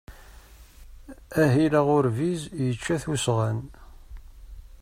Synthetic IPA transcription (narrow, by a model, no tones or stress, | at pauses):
æɦilaʁʊɾvizjət͡ʃːæθusʁæn